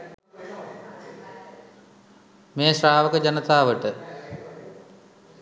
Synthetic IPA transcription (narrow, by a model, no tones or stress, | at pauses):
meːɕraːʋɐkɐd͡ʑɐnɐt̪aːʋɐʈɨ